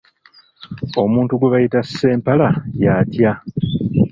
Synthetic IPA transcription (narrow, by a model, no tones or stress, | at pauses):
o̞muːntuɡuβajitasːe̞ːmpalajaːtja